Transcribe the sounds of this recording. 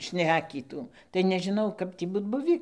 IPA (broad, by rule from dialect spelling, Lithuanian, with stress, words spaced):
ˈʃʲnʲæːkʲiːtuː tɐɪ nʲɛʒʲɪˈnɐʊ ˈkɐp tʲiː ˈbuːt ˈbʊʋʲiː